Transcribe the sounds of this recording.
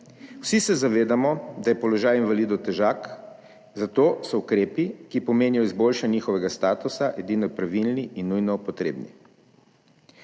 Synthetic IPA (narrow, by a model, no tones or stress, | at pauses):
wsisɛzaʋeːd̪amɔd̪ajɛpɔlɔʒaːjinʋalid̪ɔt̪ɛʒak | zat̪oːsɔukɾeːpikipɔmeːnijɔizboːlʃanɲixɔʋɛɡast̪aːt̪usaʔɛd̪inɔpɾaʋilniʔinːujnɔpɔt̪ɾḛːbnḭ